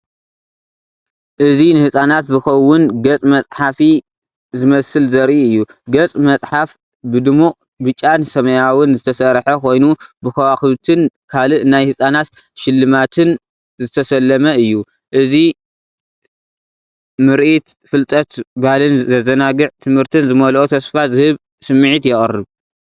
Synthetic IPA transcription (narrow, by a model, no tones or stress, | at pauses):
ʔɨzinɨhɨsʼanat̪zɨxɐwʊnɡɐt͡sʼmɐt͡sʼħafi | zɨmɐsɨlzɐɾʔiɨjːuɡɐt͡sʼmɐt͡sʼħaf | bɨd̪ɨmuqʼ | bɨt͡ʃʼːansɐmɐjawɨnzɨt̪ʰɐsɐɾħɐkʰo̞jnubɨkʰɐwaxlut̪ʰɨnkʰalɨʔɨnajhɨsʼanat̪ | ʃɪlːɨmat̪ʰɨn | zɨt̪ʰɐsɐlːɐmɐɨjːu | ʔɨzi | mɨɾʔit̪fɨlt̪ʼɐt̪bahlɨnzɐzɐnaɡɨʕt̪ʰɨmhɨɾt̪ʰɨnzɨmɐlot̪ʰɐsfazɨhɨβ | sɨmːɨʕit̪jɪχʼrːɨβ